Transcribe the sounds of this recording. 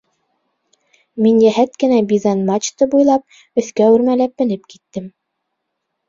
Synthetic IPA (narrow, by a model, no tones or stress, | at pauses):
minjæɦæt̪kɘ̆næbizɑnmat͡ɕt̪ɤbujlˠɑp̚ | ɵ̆θkæʉɾmælæp̚bɘ̆nɘpkit̪ːɘm